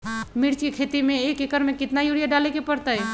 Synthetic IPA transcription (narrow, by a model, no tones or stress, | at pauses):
miɾt͡ʃkekʰet̪imẽekekəɾmekɪt̪naijuɽijaɖalekepəɽt̪əj